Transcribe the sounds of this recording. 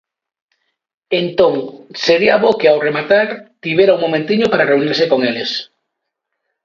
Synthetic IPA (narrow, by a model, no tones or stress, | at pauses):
ent̪õŋseɾiaβokeawremat̪aɾt̪iβjeɾauŋmomẽnt̪iɲopaɾareuniɾsekoŋeles